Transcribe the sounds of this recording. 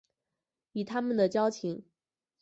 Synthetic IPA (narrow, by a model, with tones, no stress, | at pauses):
y˨˩t̪ʰa˥mə˨nd̪ə˩t͡ɕjɑ˥ʊt͡ɕʰi˧˥ŋ